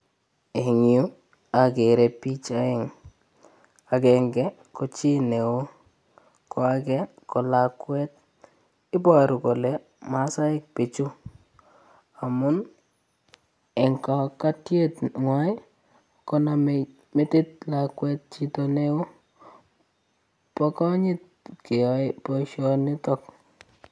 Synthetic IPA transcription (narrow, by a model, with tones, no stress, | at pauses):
e˨ŋi˨u˦ | a˨ɡe˨ɾe˨pi˦t͡ʃa˦ɪ˨ŋ | a˨ɡɛ˨ŋɡɛ˦ | ko˨t͡ʃi˦ne˨o˦ | kʰɔ˨a˨ɡɛ˦kɔ˨la˨kwɛ˦t̚ | ɪ˦ba˨ɾʊ˨ko˨le˦ | ma˨˦sa˦ɪ˦k̚pe˨t͡ʃu˦ | a˨mʊ˦n | ɛ˨ŋka˨ka˦tje˦tŋwa˨˦ɪ˦ | kɔ˦na˨m | mɪ˦tɪ˦t̚la˨kwɛ˦t̚t͡ʃi˦to˨ne˦o˦ | pɔ˦kɔ˦ɲɪ˦t̚ | ke˨ɔ˨˦ɪ˦pɔ˨ʃɔ˦nɪ˦tɔ˦k̚